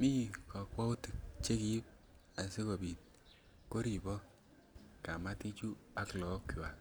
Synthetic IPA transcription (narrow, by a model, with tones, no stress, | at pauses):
mi˦kɔ˨kwɔ˦u˦ti˨k̚t͡ʃe˦ki˦p̚ | a˨se˦ko˨bi˨t̚ | ko˦ɾi˨bɔ˦ | ka˨ma˦ti˦t͡ʃu˦a˦klɔ˨˦kwa˨